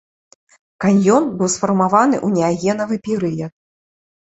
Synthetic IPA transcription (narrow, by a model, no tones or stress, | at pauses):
kanʲjɔnbɨwsfɐrmavanɨʔunʲɛaɣʲɛnɐvɨpʲɛɾɨjɐt̪̚